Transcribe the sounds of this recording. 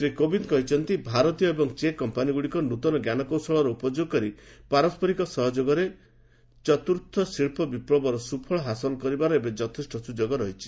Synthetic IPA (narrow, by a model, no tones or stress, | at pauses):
sɾikobinkɔɦit͡ʃʰɔnt̪ibʱaɾɔt̪ijɔebɔŋt͡ʃekɔmpaniɡuɽikɔnut̪ɔnɔɡjanɔkɔwsɔɭɔɾɔupɔd͡ʒoɡɔkɔɾipaɾɔspʰɔɾikɔsɔɦɔd͡ʒoɡɔɾe | t͡ʃɔt̪uɾt̪ʰːɔsiɭpʰɔbipɾɔbɔɾɔsupʰɔɭɔɦasɔlɔkɔɾibaɾɔebed͡ʒɔt̪ʰisʈɔsud͡ʒoɡɔɾɔɦit͡ʃʰi̥